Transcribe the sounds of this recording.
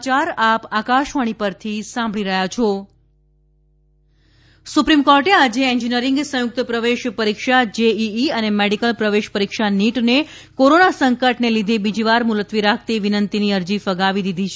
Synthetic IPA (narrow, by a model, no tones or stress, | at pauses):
t͡ʃaɾapakaʃʋaɽ̃ipəɾt̪ʰisãmbʱɭiɾəɦjat͡ʃʰo | supɾimkɔɾʈead͡ʒeeɲd͡ʒinəɾĩŋɡsə̃jʊk̚t̪əpɾəʋeʃpəɾikʃad͡ʒeiiənemeɽikəlpɾəʋeʃpəɾikʃaniʈne | koɾonasəŋkəʈnelid̪ʱebid͡ʒiʋaɾmulət̪ʋiɾak̚ʰt̪iʋinənt̪iniəɾd͡ʒifəɡaʋid̪id̪ʱit͡ʃʰ